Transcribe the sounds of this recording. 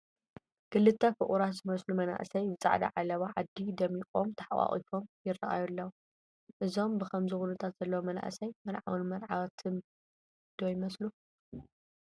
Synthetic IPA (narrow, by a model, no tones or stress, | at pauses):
ɡ̥ɨlːɨt̪ʰːafɨʔʼuɾat̪zɨmɐslumɐna̰ʔsɐjzɨt͡sʼa̰ʕd̪ɐ̰ʕalɐβaʕad̪id̪ɐmikʼomt̪ʰaħwʼa̰χʼḭfo̞mjɪrɐʔa̰julːɐw | ʔɨzo̞mbɨxʰɐmzɨxunɨt̪ʰat̪z̥ɐlːɐwmɐna̰ʔsɐjmɐlʕa̰wɐnmɐlʕawat̪ʰɨn | d̪̥ojmɐslu